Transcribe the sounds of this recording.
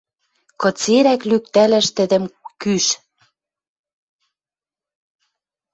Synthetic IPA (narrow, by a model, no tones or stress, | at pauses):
kɤ̆t͡seɾæklyk̚t̪ælæ̆ʃt̪ɘ̆d̪ə̆mkyʃ